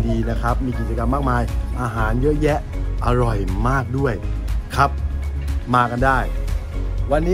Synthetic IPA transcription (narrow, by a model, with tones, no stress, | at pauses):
diː˧na˦˥kʰa˦˥p̚miː˧k̬i˨˩t͡ɕa˧ka˧mːaː˥˩k̚maː˧jʔaː˧ɦaː˩˦njɤ˦˥ʔjɛ˦˥ʔa˧ɾɔ˨˩jmaː˥˩k̚du˥˩əjkʰa˦˥p̚maː˧ka˧ndaː˥˩j | wa˧nːiː˦˥